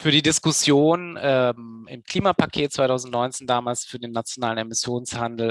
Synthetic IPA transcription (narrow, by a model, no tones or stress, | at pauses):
fyːɐdiːdɪskʊsjoːnɛmɪ̰mkʰl̥iːmapakʰeːt̚t͡sv̥aɪtʰaʊzn̩tnɔʏnt͡seːndaːmaːlsfyːɐdeːnːat͡sjonaːlən̩ɛmɪsjoːnshandl̩